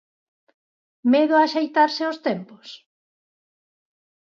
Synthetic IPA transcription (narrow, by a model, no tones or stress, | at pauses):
meðʊaʃejt̪aɾsɪost̪ɛmpo̥s